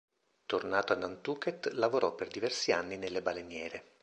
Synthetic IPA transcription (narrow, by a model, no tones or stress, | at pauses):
t̪ornaːt̪oad̪ant̪uːket̪lavoɾʔɔpːerd̪ivɛrsianːinelːebalenjɛːɾe